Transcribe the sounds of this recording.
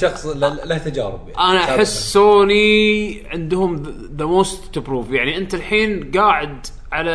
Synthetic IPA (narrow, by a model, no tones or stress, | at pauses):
ʃɑxsˤllaht̪ad͡ʒaːɾɪbʔanaʔaħɪsːoːniʕɪnd̪ɦʊm | ðəmoːst̪ːubɾuːfjaʕniʔɪnt̪alħiːnɡaːʕɪd̪ | ʕala